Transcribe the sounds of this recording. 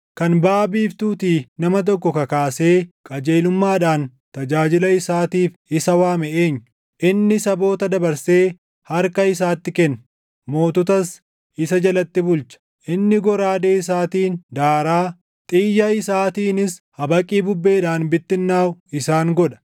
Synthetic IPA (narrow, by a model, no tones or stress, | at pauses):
kɐnbaːbiːft̪uːt̪iːnɐmɐt̪̬ɔkːɔkɐkaːseːkʼɐd͡ʒe̞ːlʊmːaːᶑaːn | t̪ɐd͡ʒaːd͡ʒɪlɐɪsaːt̪iːf | ɪsɐwaːmɛʔeːɲː | ʔɪnːɪsɐbo̞ːt̪ɐd̪ɐbɐɾse̞ː | hɐɾkɐɪs̬aːt̪ːɪkɛnː | mo̞ːt̪ʊt̪ɐs | ʔɪsɐd͡ʒɐlɐt̪ːɪbʊlt͡ʃɐ̥ | ʔɪnːɪɡɔɾaːd̪e̞ːɪs̬aːt̪iːnd̪aːɾaː | t̪ʼɪːjːɐɪsaːt̪iːnɪshɐbɐkʼːiːbʊbːe̞ːᶑaːnbɪt̪ːɪnːaːwɪsaːŋɡɔᶑɐ̥